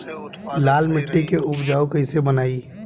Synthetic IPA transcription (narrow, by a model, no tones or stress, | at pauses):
laːlmɪʈːekeʊpd͡ʒaːukəɪsebənaːi